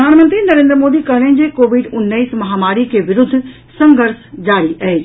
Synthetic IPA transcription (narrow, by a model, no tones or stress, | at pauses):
əd̪ʱaːnmə̃nt̪ɾinɐɾẽːnd̪ɾəmoːd̪ikɐɦɽẽnd͡ʑekoːʋɪɖʊnːəismɐɦaːmaːɾikeʋɪɾʊd̪ʱːʊ | sɐ̃ŋɡʱəɾsd͡ʑaːɾiʔɐeː